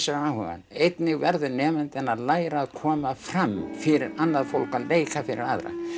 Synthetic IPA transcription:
sʏahua̰nejt̪nɪɣvɛɾðʏnɛːmɪnt̪ɪnaðlaːjɾaːðkʰɔːmaframfɪɾɪɾanːaðfowl̥kaleːjkʰafɪɾɪɾaðɾa̰n

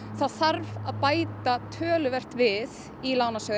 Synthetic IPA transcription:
θaðθaɾvaðpaːjt̪at̪ʰœːlʏvɛr̥t̪vɪð | ilaːwnasœː

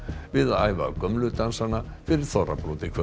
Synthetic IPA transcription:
vɪðaa̰ːjva̰kœmlʏt̪ansanafɪɾɪɾ̥θɔra̰pɾuːt̪ɪkʰvœ

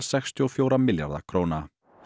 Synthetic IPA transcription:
sɛxst̪ʰiɔfjoːwɾamɪlja̰ɾða̰kʰɾoːwna

